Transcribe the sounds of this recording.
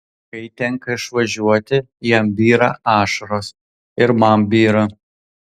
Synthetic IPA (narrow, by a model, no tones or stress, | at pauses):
kɐɪt̪ʲɛŋkɐɪʃʋɐʒʲuɔt̪ʲɪ | jɛmbʲiːɾɐɑːʃɐɾoːs | ɪɾmɐmbʲiːɾɐ